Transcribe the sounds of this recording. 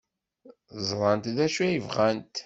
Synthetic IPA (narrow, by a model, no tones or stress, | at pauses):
zˤɾˤɑnt̪ðæʃuæjəvʁænt̪